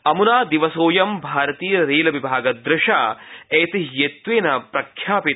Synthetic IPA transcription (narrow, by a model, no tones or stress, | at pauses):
ɐmunaːd̪iʋɐsoːjɐmbʱaːɾɐt̪iːjɐɾeːlɐʋibʱaːɡɐd̪ɾɪʃaːeːt̪iɦjet̪ʋeːnɐpɾɐkʰjaːpi